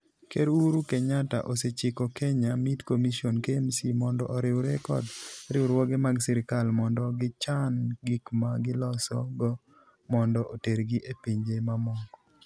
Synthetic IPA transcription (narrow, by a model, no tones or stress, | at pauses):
keɾuɾukeɲata̰ʔoset͡ʃɪkokɛɲamitkomisionkemsimɔndɔʔɔɾɪwɾekɔ̰dɾɪwɾwɔɡemaɡsɪɾɪkalmɔndɔɡɪt͡ʃanɡikmaɡɪlɔsɔ̰ɡɔ | mɔndɔʔoteɾɡiʔepiɲd͡ʒemamɔkɔ̥